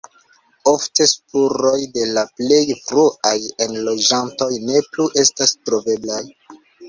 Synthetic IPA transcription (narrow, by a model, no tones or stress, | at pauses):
o̞fte̞spuɾo̞jde̞laple̞jfɾuʔajenlo̞d͡ʒanto̞jne̞pluʔe̞stastɾo̞ve̞blaj